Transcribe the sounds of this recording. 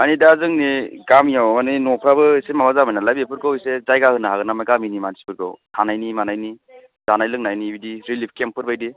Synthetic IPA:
anidazɯŋniɡamijawaninɔpʰɾabɯsemamazamajnalabiepʰɯɾkɯwsezajɡahɯnaɦaɡɯnamajɡaminimansi̥pʰɯɾkɯ̰wtʰanajnimanajni | zanajlɯŋnajnibidiɾilip̚ʰkempʰːɯɾbajdi

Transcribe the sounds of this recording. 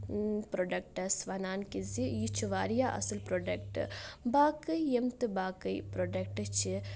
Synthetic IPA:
pɾoːɖɐk̚ʈɐsʋɐnaːnkizijit͡ʃʰuʋaːɾijaːʔɐ̰sɨlpɾoːɖɐk̚ʈɨ̰baːkɨjemt̪ɨbaːkəjpɾoːɖɐk̚ʈt͡ʃʰi

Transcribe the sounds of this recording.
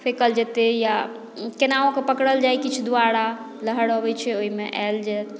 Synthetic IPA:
pʰekəld͡ʒet̪eja | kenaõkepəkɽəld͡ʒajkit͡ʃʰd̪uaɽa | ləɦəɽɦəbɛt͡ʃʰɛoɦimeʔa̰ld͡ʒɛːt̪

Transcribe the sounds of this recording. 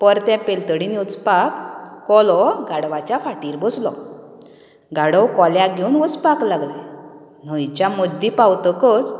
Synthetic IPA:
pəɾt̪ɛ̃pelt̪əɽinut͡spakːɔlɔɡaɽʋat͡ɕjafaʈiːɾbɔslɔ̰ | ɡaɽəwkɔljãɡʱeunʋət͡spaklaɡle | n̤əjt͡ɕjamod̪ːipawt̪əkət͡s

